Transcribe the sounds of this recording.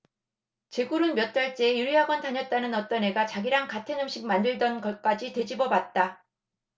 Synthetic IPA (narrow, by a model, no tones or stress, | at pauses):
t͡ɕe̞ɡuɾɯnmjʌt̚t͈aɭt͡ɕ͈eːjuɾiɦaɡwʌntaɲʌt̚t͈anɯnʌt͈ʌnɦe̞ɡat͡ɕaɡiɾaŋkatʰe̞nɯmɕ͈ʰiɡ̚mandɯɭdʌnɡʌk͈ad͡ʑite̞d͡ʑibʌbat̚t͈a